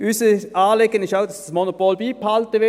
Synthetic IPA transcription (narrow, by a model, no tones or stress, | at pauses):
yːsəɑːleɡənɪʃaʊd̥ɑsd̥ɑsmonopolbiːphɑltəʋɪ